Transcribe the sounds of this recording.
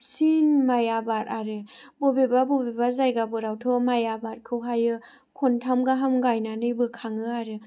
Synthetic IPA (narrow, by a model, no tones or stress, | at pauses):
sinmajabaɾaɾɯbɔbebabɔbebazajɡabɯɾawtʰɔmajabaɾkʰɯwɦajɯ | kʰɔntʰamɡaɦamɡajnanɯjbɯkʰaŋɯaɾɯ